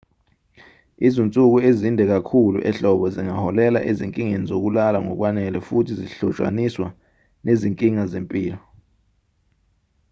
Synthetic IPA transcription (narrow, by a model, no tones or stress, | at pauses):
izont͡sʼuk̬uezindʱɛk̬akʰulṵʔɛɬɔɓɔziŋahɔlɛla̰ʔeziŋkʼiŋenizok̬ulalaŋɔ̰k̬wanɛlɛfutʰiziɬɔt͡ʃʼwa̰niswa | neziŋkʼiŋazempʼiːlɔ